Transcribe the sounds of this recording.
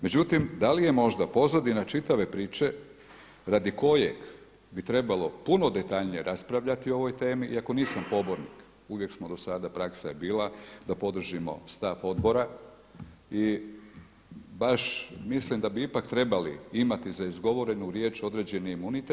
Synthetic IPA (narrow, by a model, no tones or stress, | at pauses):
me̞d͡ʑut̪imd̪alije̞mo̞ʒd̪apo̞zad̪inat͡ʃit̪aʋe̞pɾiːt͡ʃe̞ | ɾad̪iko̞jeɡ | bit̪ɾe̞balˠo̞puno̞d̪e̞t̪aʎnije̞ɾʔaspɾaʋʎat̪ioo̞ʋo̞jt̪e̞ːmiʔiako̞niːsampo̞bo̞ɾnik | uʋje̞ksmo̞d̪o̞sad̪apɾaksaebiːlad̪apo̞d̪r̩ʒimo̞̰st̪afo̞d̪bo̞ɾa | i | baʃmislimd̪abiipakt̪ɾe̞balḭimat̪izaizɡo̞ʋo̞ɾe̞nuɾje̞ːt͡ʃo̞d̪ɾe̞d͡ʑeniimunit̪e